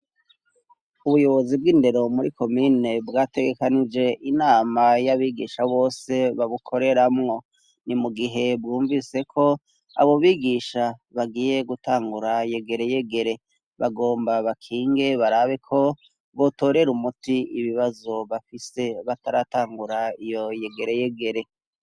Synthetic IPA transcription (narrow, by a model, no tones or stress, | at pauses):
uβujo̞βo̞zibɡiːnde̞ɾo̞muɾiko̞mine̞bɡaːte̞ɡe̞kanid͡ʒe̞ʔinaːmajaβiːɡḭːʃaβo̞ːse̞βaβukʰo̞ɾe̞ɾamŋo̞ | nimuɡiɦe̞bɡuːɱvise̞kʰo̞ | a̰βo̞βiːɡiːʃaβaɡiːje̞ɡutaːŋɡuɾaje̞ɡe̞ɾe̞je̞ɡe̞ɾe̞ | βaɡo̞ːmbaβakʰiːŋɡe̞βaɾaβe̞kʰo̞ | βo̞to̞ːɾe̞ɾumutiiβiβazo̞βafise̞βataɾataːŋɡuɾaijo̞jeɡe̞ɾe̞je̞ɡe̞ɾe̞